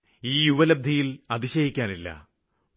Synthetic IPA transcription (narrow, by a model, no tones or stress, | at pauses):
iːjuʋɐlɐb̚d̪ʱɐjilɐd̪iɕɐjikʲːaːnilːɐ̰